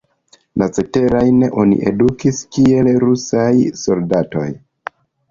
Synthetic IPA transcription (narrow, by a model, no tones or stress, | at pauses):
nat͡se̞te̞ɾajneʔo̞nḭʔe̞dukiskie̞lɾusajso̞ldato̞̰j